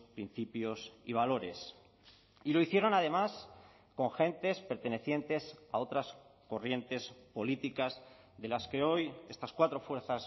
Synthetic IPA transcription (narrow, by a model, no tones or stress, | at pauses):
pɾin̟θipjo̞siβ̞alo̞ɾe̞̰s | ilo̞iθjeɾo̞nað̞e̞mas | ko̞ŋxe̞nt̪e̞spe̞ɾt̪e̞ne̞θje̞nt̪e̞sa̰o̞t̪ɾasko̞rje̞nt̪e̞spo̞lit̪ikaz | ðe̞laske̞o̞je̞st̪askwat̪ɾo̞fwe̞ɾθas